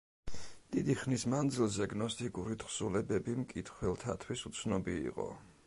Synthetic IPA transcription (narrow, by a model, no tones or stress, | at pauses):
d̪̥id̪iχnismand̪zilˠzɛɡnɔst̪ʰʼikʼuɾit̪ʰχsulɛbɛbimkʼit̪ʰχwɛlˠt̪ʰat̪ʰwisut̪sʰnɔbḭːqʼɔ̰